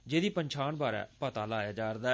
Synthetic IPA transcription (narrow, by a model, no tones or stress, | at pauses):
d͡ʒeːd̪iːpəɲt͡ʃʰaːɳbaːɾɛ̰ːpət̪aːlaːjaːd͡ʒaːɾd̪aː